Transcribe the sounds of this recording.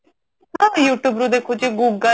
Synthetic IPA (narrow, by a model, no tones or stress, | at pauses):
ɦãːjuːʈjuːbɾud̪eːkʰod͡ʒiɡuːɡə